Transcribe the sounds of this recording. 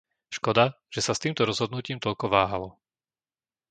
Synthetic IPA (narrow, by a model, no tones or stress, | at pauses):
ʃkɔd̪a | ʒ̥ɛsast̪iːmt̪ɔɾɔzɦɔd̪nuciːmt̪ɔʎkɔʋaːɦalɔ